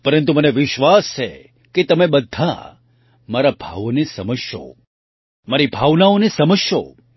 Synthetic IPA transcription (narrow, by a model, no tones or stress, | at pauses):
pəɾənt̪uməneʋɪʃʋast͡ʃʰe | ket̪əmebəd̪ʱːa̰ | maɾabʱa̰ʋonesəməd͡ʒʃo̰ | maɾibʱaʋnaonesəməd͡ʒʃo̰